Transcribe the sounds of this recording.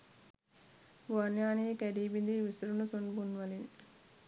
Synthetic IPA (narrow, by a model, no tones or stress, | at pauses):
boɐnjaːniːkɛɾiːbind̪iːʋisɾunusonbunʋɐlin